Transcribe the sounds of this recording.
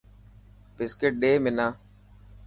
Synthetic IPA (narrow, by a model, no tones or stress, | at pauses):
pɪskeʈ̚ɖeːmɪnaː